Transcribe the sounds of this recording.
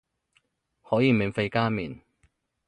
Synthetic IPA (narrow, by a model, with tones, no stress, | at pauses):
hɔː˨˥jiː˨˧me˨˩ŋfe˧jkaː˥mḭː˨˩n